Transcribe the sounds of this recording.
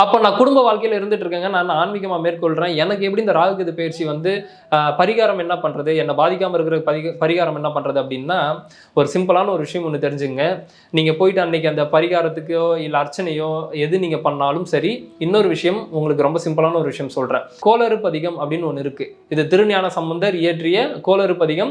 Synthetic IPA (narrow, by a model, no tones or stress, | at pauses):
ɐpːoːnãːkʊɽʊmbɐʋaːɭkɐjɪlɪɾɯnd̪ɯʈːɾɯkːeːŋɡɐnãːnaːnmɪɣɐmaːmeːɾkɔɭrẽːɛnɐk̬ːɯɛp̬ːɐɽiɪnd̪ɐɾaːɣɐkːɯðɯpɛjɐɾt͡ʃiʋɐnd̪ɯ | pɐɾɪɣaːɾɐmɛnːɐpɐɳrɐðɯɛnːɐbaːðɪk̬ʲːaːmɐɪɾɯkːɯɾɐɯpɐpɐɾɪɣaːɾɐmɛnːɐpɐɳrɐðɯɐp̬ːɐɽɪnːaː | ɔɾɯsɪmpɐlaːnɐɔɾɯʋɪʂɐjɐmɔnːɯt̪ɛɾɪɲd͡ʒɯkɯŋɡɐ | niːŋɡɐpoːjɪʈːɯɐnːɪkːɐnd̪ɐpɐɾɪɣaːɾɐt̪ːɯkːɯɪlːɐːɾt͡ʃːɐnɐjõːɛðɯniːŋɡɐpɐɳːaːlɯmsɐɾiɪnːoɾɯʋɪʂɐjɐmʊŋɡɐɭɯk̬ːɯɾɔmbɐsɪmpɐlaːnɐɔɾɯʋɪʂɐjɐmsɔlrḛ̃ːkoːlɐɾɯpːɐðɪɣɐmɐpːɐɽɪnːɯɔnːɯɪɾɯkːɯ | ɪðɯt̪ɪɾɯɳɐjaːnɐsɐmbɐnd̪ɐɾɪjɛʈrɪjɐkoːlɐɾɯpːɐðɪɣɐm